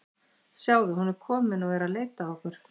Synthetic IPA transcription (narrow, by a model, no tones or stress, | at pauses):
sjaːwðʏɦunːʏɾ̥kʰɔːmɪnɔɣvɛɾaleːjt̪aɔhkʏɾ̥